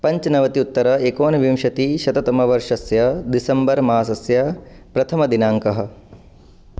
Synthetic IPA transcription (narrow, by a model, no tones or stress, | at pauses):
pɐɲt͡ʃɐnɐʋɐt̪iut̪ːɐɾɐekoːnɐʋimʂɐt̪iʃɐt̪ɐt̪ɐmɐʋɐɾʂɐsjɐd̪isɐmbɐɾmaːsɐsjɐ | pɾɐt̪ʰɐmɐd̪inaːŋkɐɦɐ̆